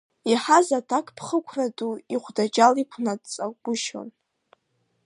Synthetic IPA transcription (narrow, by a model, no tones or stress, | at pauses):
iħazatʰakʰʼpʰχəkʷʰraduiχʷdad͡ʒʼalikʷʰnadt͡sʼaɡ̥ʷʊʃo̰n